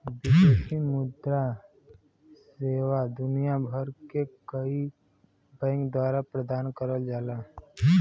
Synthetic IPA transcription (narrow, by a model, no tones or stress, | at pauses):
bid͡ʒesimʊd̪ɾa | seːʋad̪ʊnijabʱəɾkekəi | bɛ̃ːŋkd̪waːɾapɾəd̪aːnkəɾəld͡ʒaːlaː